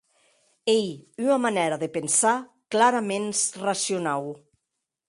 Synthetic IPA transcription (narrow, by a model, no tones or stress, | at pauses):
ejyamanɛɾaðepensa | klaɾamensrasjonaw